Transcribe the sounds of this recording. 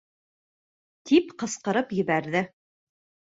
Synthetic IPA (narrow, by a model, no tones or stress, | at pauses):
t̪ʰipqɤ̆sqɤ̆ɾɤpjɘ̆βæɾðɘ